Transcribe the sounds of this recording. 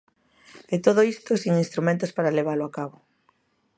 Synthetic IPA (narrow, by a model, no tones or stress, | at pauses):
et̪oð̞oist̪osiŋinst̪ɾumẽnt̪ʊspaɾaleβ̞alʊakaβʊ